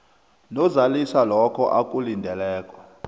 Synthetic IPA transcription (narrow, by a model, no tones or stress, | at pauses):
nɔzalisalɔkʰɔʔakʼulindʱɛlɛːkʼɔ̥